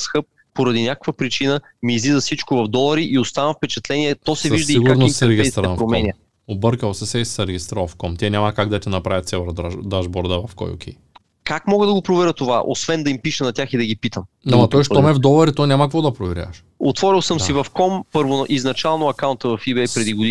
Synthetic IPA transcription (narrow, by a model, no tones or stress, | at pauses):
sxɤp̚ːoɾɐd̪inʲakə̥kvɐpɾit͡ʃinə | miːzizɐfsit͡ʃkʊvɐvd̪ɔlˠɐɾiʔiost̪anəfpɛt͡ʃɛt̪lɛnʲiɛt̪ɔsɛviʒsd̪ɐiiɡuɾnoit̪ːsɛɾɛɡiit̪ɾɛpɾomɛnʲiɐ | obɤɾkəlˠsɛsɛssɐɾɛɡʲist̪ɾalˠfkɔmt̪ʲiɛnʲaməkaɡ̚d̪ɐt̪ʲinɐpɾavʲɐt̪sɛvəɾd̪ad̪aʒbɔɾd̪əvɐfkɔ̰jo̰kʰʲɛ̰j | kakmɔɡəd̪ɐɡopɾovɛɾʲət̪ova̰ʔo̰svɛnd̪ɐimpiʃɛnɐt̪ʲaxid̪ɐɡipit̪əm | amɐt̪ɔjʃt̪ɔmɛvd̪ɔlˠɐɾit̪ɔnʲamɐkvɔd̪ɐpɾovɛɾʲja̰ʃ | ot̪vɔɾilˠsəmsivɐfkɔmpɤɾvʊnʔiznɐt͡ʃalˠnʊɐkaʊnt̪əvɐfibɛjpɾɛd̪iɡʊd̪i